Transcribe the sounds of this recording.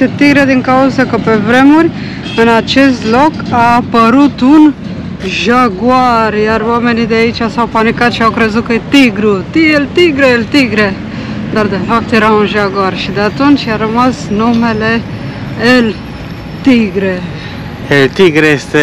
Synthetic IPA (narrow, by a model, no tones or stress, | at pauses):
et̪iɡɾed̪iŋkawzakəpevɾemuɾʲ | ɨnat͡ʃest̪lokapəɾut̪un | ʒaɡwaɾjaɾwamenid̪eait͡ʃasawpanikat̪ʃiawkɾezukəet̪iɡɾut̪ielt̪iɡɾeelt̪iɡɾe | nd̪aɾd̪efaft̪eɾaunʒaɡuaɾʃid̪eat̪unt͡ʃaɾəmasnumele | el | t̪iɡɾe | elt̪iɡɾeest̪e